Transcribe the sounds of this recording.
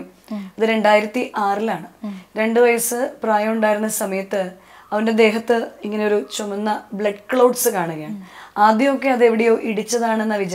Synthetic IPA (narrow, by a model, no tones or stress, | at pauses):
ɐðɨɾe̞ɳɖaːjiɾɐt̪ːiʔaːrilaːɳɨɾe̞ɳɖɨʋɐjɐsɨpraːjɐmuɳɖaːjiɾunːɐsɐmɐjɐt̪ːɨ | ɐʋɐnde̞d̪e̞ːɦɐt̪ːɨiŋːɐneo̞ɾut͡ɕomɐnːɐbɭɐɖkɭɐwɖsɨkaːɳuɣɐjaːɳaːd̪jɐmokːe̞ɐðe̞ʋiɽejo̞ːʔiɽit͡ɕːɐðaːɳe̞nːɐʋid͡ʑɐ